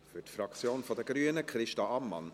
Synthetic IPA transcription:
fytfɾɑkt͡sjoːnfɔd̪əɡ̥ɾyːənəkχɾɪʃtɑɑmːɑ̰n

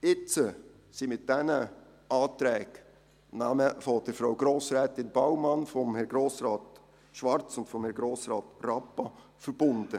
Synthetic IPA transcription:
ɪt͡sə | simɪtd̥ɛnə | ɑːt̪ɾɛːk | naməfɔd̥əɾfɾawɡ̥ɾoːsɾɛːt̪ɪnb̥ɑwmɑnfɔmhɛɾɡɾoːsɾɑːt̪ | ʃʋɑɾt͡sʊntfɔmhɛɾɡɾoːsɾɑːt̪rɑpːɑfəɾb̥ʊnd̪̥ə

